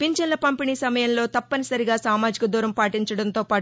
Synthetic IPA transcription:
piɲt͡ʃɐnlɐpɐmpiniːsɐmɐjɐmlo̞ːt̪ɐpːɐnisɐɾiɡaːsaːmaːd͡ʒikɐd̪uːɾɐmpaːʈiɲt͡ʃɐɽɐnt̪o̞ːpaː

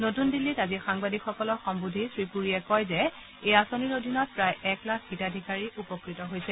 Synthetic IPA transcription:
notundilːitazixaŋbadʱikʰxɔkɔlɔxɔmbudʱisɹipuɹiɛkɔjzɛ | ejasoniɹodʱinɔt̚pɹajɛklak̚ʰɡ̥itadʱikaɹiʔupɔkɹitɔɦojsɛ

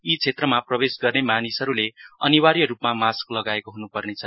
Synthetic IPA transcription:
it͡sʰet̪rʌmaprʌbesɡʌrnemanisʌɾuleʌniwaɾijʌɾupmamasklʌɡaekoɦunupʌrnet͡sʰʌ

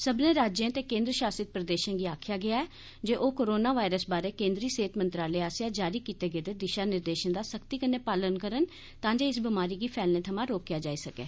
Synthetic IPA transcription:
səbnẽːɾaːd͡ʒjãːt̪eːkẽːnd̪ɾəʃaːsɪt̪̚pɾəd̪eːʃə̃nɡiːaːkʰɪjaːɡɪaːɛː | d͡ʒeːʔoːkoːɾoːnaːʋaːɪɾəsbaːɾeːkẽːnd̪ɾiːseːt̪mə̃nt̪ɾaːleːaːsjaːd͡ʒaːɾiːkiːt̪eːɡeːd̪eːd̪ɪʃaːnɪɾd̪eːʃənd̪aːsəkt̪iːkənːeːpaːlənkəɾən | t̪ãːd͡ʒeːɪsbɪmaːɾiːɡiːpʰɛːlnẽːt̪ʰəmãːɾoːkjaːd͡ʒaːiːsəkḛː

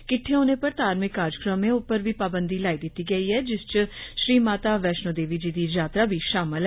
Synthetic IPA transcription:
kɪʈʰːeɦoːneːpəɾt̪aːɾmɪkːaːɾjəkɾəmẽʊpəɾʋiːpaːbənd̪iːlaːid̪ɪt̪ːiːɡəiːɦɛːd͡ʒɪst͡ʃʃɾiːmaːt̪aːʋɛːʃnoːd̪eːʋiːd͡ʒiːd̪iːd͡ʒaːt̪ɾaːbʱiːʃaːmɪl

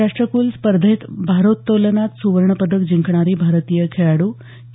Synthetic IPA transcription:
aʂʈɾəkuːlspəɾd̪ʱət̪bʱaɾot̪ːolənat̪suʋəɾɳəpəd̪əkd͡ʑiŋkʰɳ̃aɾibʱaɾət̪ijəkʰejaɽu

